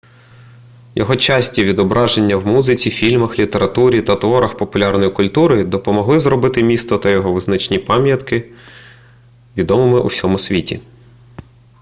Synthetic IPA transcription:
jɔɦɔt͡ʃɑsʲtʲiʋʲid̪ɔbɾʔɑʒenʲːɐwmuzɪt͡sʲifʲilʲmɐxlʲit̪eɾɐt̪uɾʲit̪ɐt̪ʋɔɾɐxpɔpʊlʲɑrnɔjikʊlʲt̪uɾɔjd̪ɔpɔmɔɦlˠɪzɾɔbɪt̪ɪmʲist̪ɔt̪ɐjɔɦɔʋɪznɐt͡ʃnʲipɑmʲjɐt̪kɪ | ʋʲid̪ɔmɔmɪʔṵwsʲɔmʊsʲʋʲitʲḭ

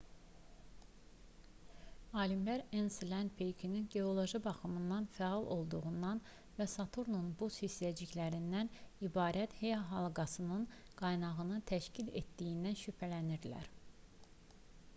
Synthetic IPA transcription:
ɑːlimlæɾenslænd̪pʰejkʰininɟe̞o̞lˠo̞ʒibɑxɯmɯnd̪ɑnfæɑlˠʔo̞lˠd̪uʁund̪ɑn | væsɑt̪ʰuɾnonubushisæd͡ʒiçlæɾind̪ænibɑːɾæt̪he̞jɑɦɑlˠɡɑsɯnɯn | ɡ̥ɑjnɑɣɯnɯt̪ʰæʃcʰilḛt̪d̪ijind̪ænʃypʰælæniɾd̪læ̰ɾ

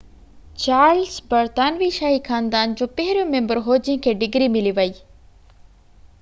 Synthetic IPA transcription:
t͡ɕaːɾlsbɐɾt̪aːnʋiʃaːɦixʰaːnd̪aːnd͡ʑoːpɐɦɪɾijõmẽmbəɾɦoːd͡ʑĩkʰeːɖɪɡɾimɪliʋɐiː

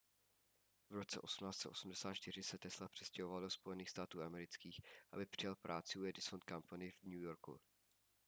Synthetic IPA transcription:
vɾo̞t͡sɛ̰ʔo̞sumnaːst̪t͡sɛ̰ʔo̞sumdɛsaːt̪t͡ʃt̪ɪr̝ɪsɛt̪ɛslapr̥ɛscɛɦovaldo̞spo̞jɛniːxst̪aːt̪uːʔamɛɾɪt͡skiːxʔa̰bɪpr̥ɪjalpɾʔaːt͡sɪuɛdɪsont̪̚kampanɪvɲujo̞ɾkṵ

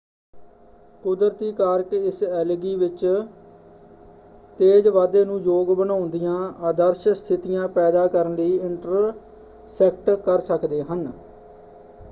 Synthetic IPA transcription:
kʊd̪əɾt̪iːkaːɾəkɪsɛːlɡiːʋɪt͡ʃ | t̪eːd͡ʒʋaːd̪eːnũːd͡ʒoːɡbənãːʊnd̪ɪjãːaːd̪əɾʃst̪ʰɪt̪ɪjãːpɛːd̪aːkəɾənd̪iːɪɳʈəɾ | sɛːk̚ʈkəɾsəkd̪eːɦən

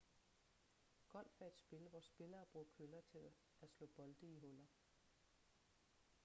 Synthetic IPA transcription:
ɡ̥ɒ̽l̰fæed̥sb̥e̝ləʋɒːsːb̥e̝lɐːb̥ʁukʰølɐt͡sʰe̝l | ʔæslɔ̰̽ːb̥ɒ̽ld̥əiɦɔlɐ

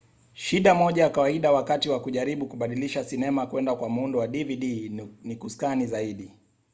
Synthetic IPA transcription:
ʃiɗamɔʄajakawaiɗawakatiwakuʄaɾiɓukuɓaɗiliʃasinɛmakwɛndakwamundɔwaɗiviɗinikuskanizaiɗi

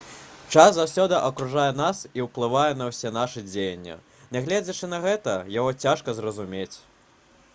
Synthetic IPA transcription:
t͡ʂaszawsʲɔd̪ɨʔɐkɾuʐajɛnasiwplˠɨvajɛn̪ɐwsʲɛn̪aʂɨd͡zʲejɐnʲːɛ̰ | nʲɛɣlʲɛd͡zʲɐt͡ʂɨn̪ɐɣɛt̪ɐjaɣɔt͡sʲaʂkɐzrɐzumʲet͡sʲ

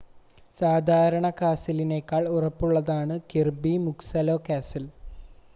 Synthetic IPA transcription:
saːd̪ʱaːɾɐɳɐkaːsilineːkːaːɭurɐpːuɭːɐðaːɳɨkirbimuksɐlo̞ːkaːsɐl

